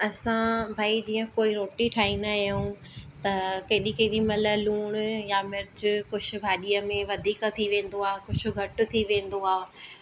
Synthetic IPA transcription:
ɐsãbʱaːid͡ʑiːə̃koːiɾoːʈiʈʰaːinajũ | t̪ɐkɐːɗikɐːɗimɐləluːɽ̃jamɪɾt͡ɕʊkʊd͡ʑ̆ʰʱbʱaːɗijəmẽʋɐd̪ʱiːkt̪ʰiʋẽːn̆d̪oaːɦkʊd͡ʑʰʊ̆ɡʱɐʈʊ̆t̪ʰiʋẽːn̆d̪oaː

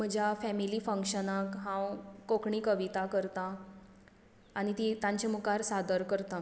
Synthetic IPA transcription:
m̤əd͡ʑʱjafɛmilifə̃ŋkʂənakɦãwkokɳiːkəʋit̪akəɾt̪a | ɽ̃it̪it̪ãɲt͡ɕemukaɾsad̪əɾkəɾt̪a

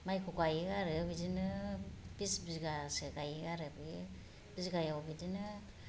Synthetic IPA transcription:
majkʰukajeɡaɾɯbidinɯbisbizɡaseɡajeɡaɾɯbɯ | bizɡajawbidinɯ

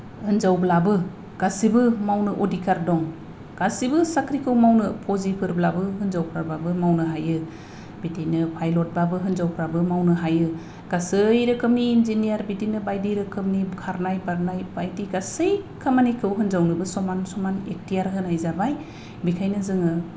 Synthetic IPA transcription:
hɯnzawblabɯ | ɡ̥asibɯmawnɯʔodikʰaɾdɔŋ | ɡ̥asibɯsakʰɾikʰɯwmawnɯpʰɔzipʰɯɾblabɯɦɯnzawpʰɾaɾbabɯmawnɯɦajɯ | bidinɯpʰajlɔt̚babɯɦɯnzawpʰɾabɯmawnɯɦajɯ | ɡ̥asɯjɾɯkʰɯmniːnzinijaɾbitinɯbajdiɾɯkʰɯmnikʰaɾnajbaɾnajbajdiɡasɯjkʰamanikʰɯwɦɯnzawnɯbɯsɔmansɔmanek̚tijaɾɦɯnajzabaj | bikʰajnɯzɯŋɯ

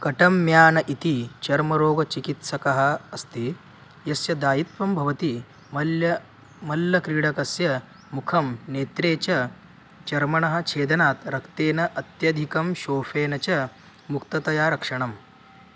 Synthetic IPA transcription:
kɐʈɐmːjaːnɐʔit̪it͡ʃɐɾmɐɾoːɡɐt͡ʃikit̪sɐkɐɦɐːst̪iː | jɐsjɐd̪aːjit̪ʋɐmbʱɐʋɐt̪i | mɐljɐ | mɐlːɐkɾiːɽɐkɐsjɐ | mukʰɐmneːt̪ɾeːt͡ɕɐ | t͡ʃɐɾmɐɳɐɦɐ̆t͡ʃʰeːd̪ɐnaːt̪ɾɐkt̪eːnɐʔɐt̪jɐd̪ʱikɐmɕoːfeːnɐt͡ɕɐ | mukt̪ɐt̪ɐjaːɾɐkʂɐɳɐm

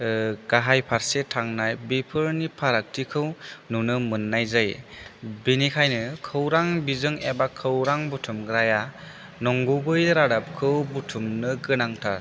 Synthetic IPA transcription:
ɡ̥aɦajpʰaɾsetʰaŋnajbepʰɯɾnipʰaɾak̚tʰikʰɯwnunɯmɯnːajzaj | binikʰajnɯkʰɯwɾaŋbizɯŋebakʰːɯwɾaŋbutʰumɡɾaja | nɔŋɡubɯjɾadap̚kʰɯwbutʰumnɯɡɯnaŋtʰaɾ

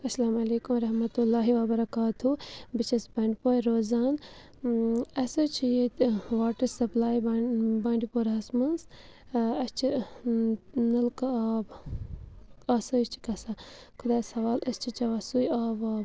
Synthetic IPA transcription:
ɐsɐlaːmɐleːkumɾɐɦmɐt̪ulːaːɦiʋɐbɐɾɐkaːt̪ubit͡ʃʰɐsbɐɳɖipoːjɾoːzaːn | ɐsot͡ʃʰijet̪ʋaːʈɐɾsɐplaːjbaːɳɖipoːɾɦɐsmɐns | ɐst͡ʃʰi | nɐlkaːb | ɐsot͡ʃʰi̥kɐsa | kʰʊd̪aːsɐʋaːlɐst͡ʃʰit͡ʃɐʋɐsuːjaːʋaː

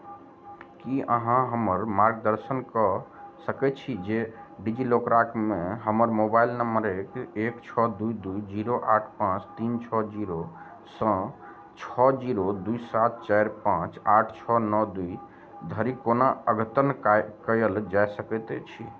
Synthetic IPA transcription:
kiə̰ɦãɦəməɾmaɾɡd̪əɾsənkəsəkɛt͡ʃʰid͡ʒeɖid͡ʒilokɾakmeɦəməɾmobailnəməɾekekt͡ʃʰɔd̪ujd̪uid͡ʒiɾoʔaʈʰpãt͡ʃt̪int͡ʃʰɔd͡ʒiɾo | sə̃ | t͡ʃʰɔd͡ʒiɾod̪uisat̪̚t͡ʃajɾpãt͡ʃaʈʰt͡ʃʰɔnɔd̪ui | d̪ʱəɾikonaəɡʱət̪ənkəjəld͡ʒajsəkɛt̪ɛt͡ʃʰi

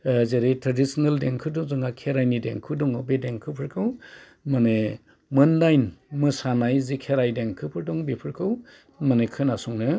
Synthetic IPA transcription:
zeɾitʰɾadisneldeŋkʰɯdɔŋzɯŋakʰeɾajnidḛŋkʰɯdɔŋɯbedeŋkʰɯpʰɯɾkʰɯw | mɯne | mɯndajnmɯsanajzikʰeɾajdeŋkʰɯpʰɯɾdɔŋbepʰɯɾkʰɯw | manekʰɯnasɔŋnɯ

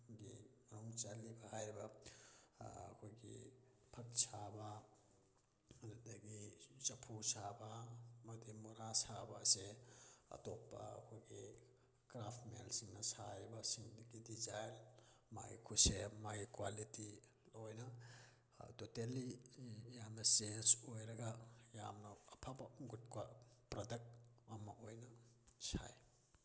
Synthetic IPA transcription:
ɡimɐnuŋt͡ʃalibɐhajɾbɐ | kʰojɡḭ | pʰɐk̚sʰabɐ | ddɐɡit͡ʃɐpʰusabamɐdimuɾasabaseɐ̰topːa̰ɐ̰kʰojɡi | kɾapʰtmḛlsiŋnɐsajɾbɐsiŋdɡidizajlma̰ikʰusemajikwaliti | ojnɐ | totelːijamnɐsensojɾɐɡɐja̰mnɐɐpʰabɐɡut̚kwapɾɐdɐk̚ɐmɐojnɐsa̰j

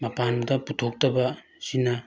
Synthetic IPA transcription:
mɐpandɐputʰok̚tɐbɐ | sina

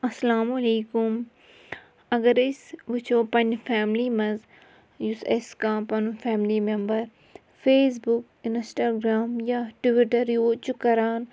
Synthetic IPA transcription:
ɐslaːmɐleːkʊm | ɐɡəɾɪsʋɪt͡ʃʰoːpɐ̃nfʰɛːmliːmɐz | juseskãːpɐnufʰɛːmlimẽmbəɾ | fʰeːs̬bʊk | ɪnsʈaːɡɾaːmjaʈʋɪʈəɾjoːt͡ʃukɐɾaːn

